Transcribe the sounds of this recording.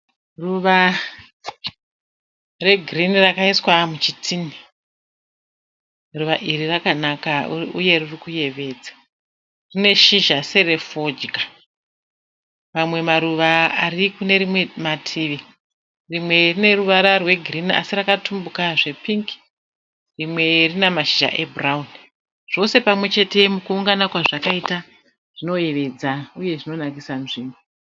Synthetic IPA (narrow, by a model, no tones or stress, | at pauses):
ruʋa | re̞ɡʱrinirakaiswamut͡ʃitʰini | ruʋaʔirirakanakauje̞ririkuje̞ʋe̞ːd͡zḁ | rine̞ʃiʒase̞ɾe̞fod͡ʒka | mamwe̞maɾuʋaarikune̞ɾimwe̞matʰiʋi | rimwe̞rine̞ruʋaɾarwe̞ɡʱirinia̰sirakatʰumbukaʐe̞piŋk | rimwe̞rinamaʃiʒa̰ʔe̞braun | ʐ̥o̞se̞pamwe̞t͡ʃe̞te̞mukuːŋɡanakwaʐakaita | ʐ̥ino̞je̞ʋe̞d͡zauje̞ʐino̞nakisanʐiːmu